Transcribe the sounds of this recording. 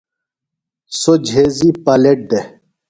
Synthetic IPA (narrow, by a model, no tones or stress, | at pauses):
sod͡ʑʱɦezipɐleʈ̚d̪e